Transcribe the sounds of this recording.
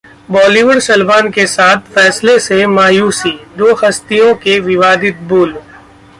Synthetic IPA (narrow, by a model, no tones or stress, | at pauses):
bɔːliʋəɽsɐlbaːnkesaːt̪ʰfɛːslesemaːjuːsiːd̪oːxɐst̪ijõkeʋɪʋaːd̪ɪt̪̚buːl